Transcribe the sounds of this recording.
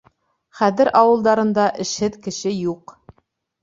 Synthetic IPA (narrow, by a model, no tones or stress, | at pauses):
χæðɘɾʔɑwɤ̆lˠd̪ɑɾɤ̆nd̪ɑʔɘ̆ʃhɘðkɘ̆ʃɘjuq